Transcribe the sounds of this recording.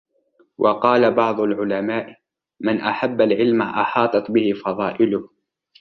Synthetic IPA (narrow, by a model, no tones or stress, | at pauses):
wʔɑqɑːlabɑʕd̪ˤʊlʕʊlamaːʔ | mɪnʔaħabːalʕɪlmaʔɑħɑːt̪ˤɑt̪bɪhɪfɑðˤɑːʔɪlʊh